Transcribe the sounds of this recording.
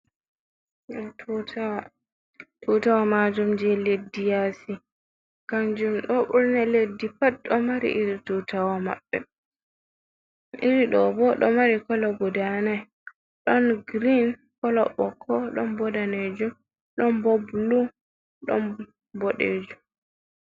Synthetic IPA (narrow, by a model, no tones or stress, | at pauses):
ɗɔa | tʰɔtawamad͡ʒumd͡ʒɛledːijasi | kaɲd͡ʒumɗɔɓuɾnaledːipat̚ɗɔmaɾḭʔiɾitutawama̰bːɛ | ʔiɾiɗɔbɔɗɔmaɾikɔlɔɡɔdana | ɗɔnɡɾin | kɔlɔɓɔkʰːɔɗɔnbɔdaned͡ʒum | ɗɔnbɔblu | ɗɔ̰n | bɔɗḛːd͡ʒum